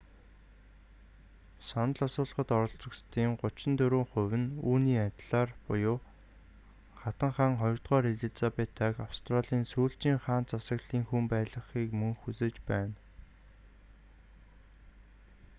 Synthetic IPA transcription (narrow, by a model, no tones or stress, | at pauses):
sɔnə̆ɮasʊːɮ̆χə̆t̪ɔɾɞ̆ɬt͡sɞ̆kst̪ʰiːŋɢʊt͡ɕɪ̆nt̪ɵɾoːŋχʊwʲɘ̆nuːniːat̪ʲɮaːrpʊjʊː | χat̪ə̆ŋχaːŋχɔjɞ̆r̥t̪ʁœːɾeɮĭɮt͡sapet̪ʰːæːkawst̪ʰraɮiːnsuːɬt͡ɕiːŋχaːnt͡sʰasə̆kɮiːŋxumpæːɮə̆χiːkmɵŋxut͡seːt͡ɕpæːn